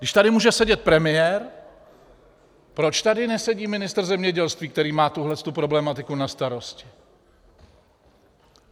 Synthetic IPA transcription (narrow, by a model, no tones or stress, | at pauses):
ɡdɪʃt̪adɪmuːʒɛsɛɟɛt̪̚pɾɛmɪjɛɾ | pɾo̞t͡ʃt̪adɪnɛsɛɟiːmɪnɪst̪r̩zɛmɲɛɟɛlst̪viːkt̪ɛɾiːmaːt̪uɦlɛst̪upɾo̞blɛmat̪ɪkunast̪aɾo̞scɪ̥